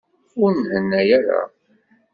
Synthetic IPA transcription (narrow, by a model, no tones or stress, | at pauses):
ʊɾnhənːæjæɾa̰